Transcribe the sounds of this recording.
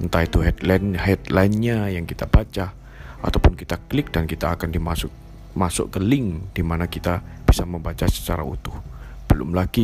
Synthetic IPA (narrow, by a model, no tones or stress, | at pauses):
ənt̪ait̪uɦɛt̪lanhɛt̪lajnɲajaŋkit̪abat͡ʃa | a̰t̪awpʊnkit̪aklɪk̚dankit̪aːkandimasʊk | masʊ̰ʔkəlɪŋdimanakit̪ab̥isaməmbat͡ʃasə̥t͡ʃaɾa̰ṵt̪ʊhb̥əlʊ̰mlaɡ̥i